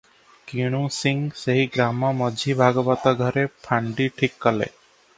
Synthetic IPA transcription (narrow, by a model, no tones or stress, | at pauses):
kiɽ̃ũsiŋseɦiɡɾamɔmɔd͡ʒʱibʱaɡɔbat̪aɡʱɔɾepʰaɳɖiʈʰikːɔlḛ